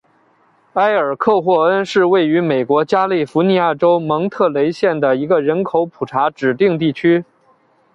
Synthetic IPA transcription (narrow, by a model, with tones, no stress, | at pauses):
a˥ɪə˞˨˩kʰɤ˥˧xwɔ˥˩ə˥nʂɻ̩˥˧we˥˩ɪy˧˥me˨˩ɪkwɔ˧˥t͡ɕja˥li˥˩fu˧˥ni˧˥ja˥˩ʈ͡ʂo˥ʊmɤ˧˥ŋt̪ʰɤ˥˩le˧˥ɪɕjɛ˥˩nd̪ə˩i˧˥ɡə˧ɻə˧˥nkʰo˧˥ʊpʰu˨˩ʈ͡ʂʰa˧˥ʈ͡ʂɻ̩˨˩t̪i˥˧ŋt̪̬i˥˩t͡ɕʰy˥